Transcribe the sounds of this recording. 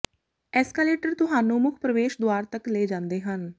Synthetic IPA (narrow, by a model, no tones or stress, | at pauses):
ɛːskɛːleːʈəɾt̪ʊɦaːnũːmʊkʰpɾəʋeːʃd̪ʊaːɾt̪əkleːd͡ʒãːnd̪eːɦən